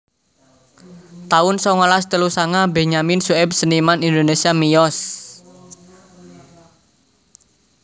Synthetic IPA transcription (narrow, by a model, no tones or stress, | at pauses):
t̪aʊnsɔŋɔlast̪əlusaŋabeɲaminsuɛp̚sənimanind̪onesiamijɔs